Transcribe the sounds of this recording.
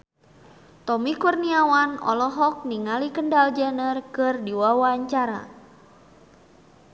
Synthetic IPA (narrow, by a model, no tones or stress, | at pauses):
t̪ɔmikurniawanɔ̰lɔɦɔk̚niŋalikəndald͡ʒənərkɨrdiwawaɲt͡ʃaɾa̰